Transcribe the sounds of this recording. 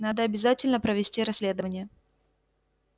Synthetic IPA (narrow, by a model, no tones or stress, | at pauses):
nad̪əɐbʲɪzatʲɪlʲnəpɾəvʲɪsʲtʲiɾɐsʲlʲe̞d̪əvənʲɪjə